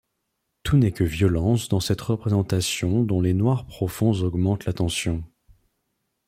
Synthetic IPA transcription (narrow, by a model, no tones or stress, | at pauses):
t̪ʰunɛkəvjɔlɑ̃sd̪ɑ̃sɛt̪ʁəpχezɑ̃t̪asjɔ̃d̪ɔ̃lenwaʁpχɔfɔ̃zɔɡmɑ̃t̪lat̪ɑ̃sjɔ̃